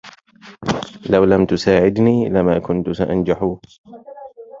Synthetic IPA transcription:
lawlamt̪ʊsaːʕɪd̪niːlamaːkʊnt̪ʊsaʔand͡ʒaħuː

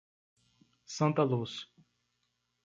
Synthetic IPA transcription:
sɐ̃nt̪ɐlus

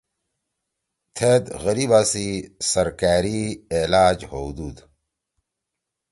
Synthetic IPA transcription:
t̪ʰed̪ɣəɾibaːsisɐɾkaːɾielaːd͡ʑhod̪uːd̪

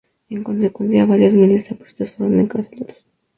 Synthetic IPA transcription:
eŋko̞ns̬ekwenθjaβaɾjozmilsapwest̪asfoɾond̪eŋkaselot̪o̥s

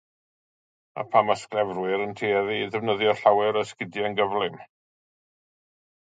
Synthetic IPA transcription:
a̰pʰamasklɛvrwɨɾəntʰiːɛðiðɛvnəðjɔɬawɛɾɔskɪdjɛənɡəvlˠɪm

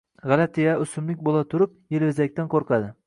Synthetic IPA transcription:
ʁɑlat̪ʰɪjaʊsʊmlɪk̚ʲbolˠat̪ʰʊɾʊp̚jelvɪzak̚ʲt̪anqʰoɾqɑd̪ɪ

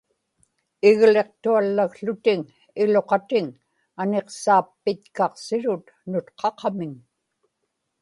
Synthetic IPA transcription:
ɪɣle̞q̚t̪ualːaɣɬʊt̪ɪŋ | ɪlo̞qɑt̪ɪŋ | ane̞qsaːpːɪt̪kɑqsɪɻʊt̪ | nʊt̪qʰɑqɑmɪŋ

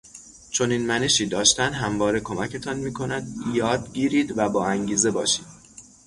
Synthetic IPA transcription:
t͡ʃʰo̞niːnmæne̞ʃiːd̪ɒːʃt̪ænd̪ɦæmvɒːɾe̞kʰo̞mæcʰe̞t̪ʰɒːnmiːkʰo̞næd̪jɒːd̪ɟiːɾiːd̪væbɒːæŋɟiːze̞bɒːʃiːd̪̥

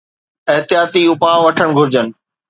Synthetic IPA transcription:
ɪɦt̪jaːt̪iʊpãːʋɐʈʰəɽ̃ɡʱʊɾɪd͡ʑənɪ̆

